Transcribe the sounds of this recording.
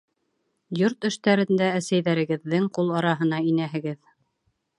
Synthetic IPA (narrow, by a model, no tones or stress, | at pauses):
joɾt̪ɵ̆ʃt̪æɾɘ̆nd̪æːsæjðæɾɘ̆ɡɘ̆ðːɘŋqulˠɑɾɑɦɤ̆nɑinæɦɘ̆ɡɘð